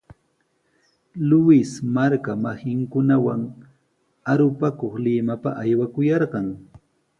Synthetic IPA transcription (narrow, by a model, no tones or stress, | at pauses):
lʊɪsmaɾkamahɪŋkʊnawaŋ | aɾʊpakoχlɪmapa̰ʔajwakʊjɑɾɢɑŋ